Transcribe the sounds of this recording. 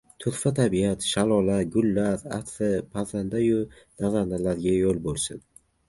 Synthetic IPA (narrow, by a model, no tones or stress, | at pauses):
t̪ʰʊɾfat̪ʰabijat̪ʃalˠɒlaɡʲʊlːaɾa̰t̪fɪpʰazand̪ajʊ | nazand̪alaɾɡʲajolˠbolˠsɪn